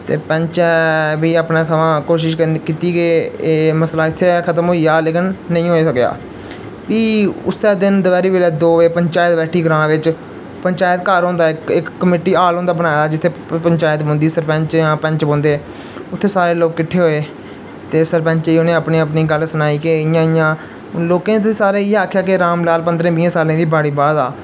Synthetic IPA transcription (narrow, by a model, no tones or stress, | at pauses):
t̪ḛːpə̃ɲt͡ʃɛːʋiːaːpnaːt̪ʰəʋãːkoːʃɪʃkiːt̪iːɡeːməslaːɪt̪ʰːeɛkʰət̪əmɦoːiːaːleːkɪnːə̃ĩːɦoːeːsəkja̰ː | ʋiːʊ̰sɛːd̪ɪnd̪əʋɛːɾiːʋeːlɛːd̪oːʋeːpəɲt͡ʃaːjət̪bɛːʈʰiːɡɾãːʋɪt͡ʃ | pəɲt͡ʃaːjət̪kəɾɦõːnd̪aːɪkɪkːəmeːʈiːaːlõːnd̪aːbənaːjaːd͡ʒɪt̪ʰːeːpəɲt͡ʃaːjt̪bõːnd̪iːsəɾpɛ̃ɲt͡ʃãːpɛ̃ɲt͡ʃbõːnd̪eː | ʊt̪ʰːeːsaːɾeːloːkːɪʈʰːeːɦoːeː | t̪eːsəɾpɛ̃ɲt͡ʃiːʊnẽːəpnĩːəpniːɡəlsənaːiːkeɪjãːɪjãː | loːkẽːt̪esaːɾeːɪaːkʰːjaːkɪɾaːmlaːlpənd̪ɾẽːbĩːsaːlẽːd̪iːbaːɽiːbaːd̪a̰ː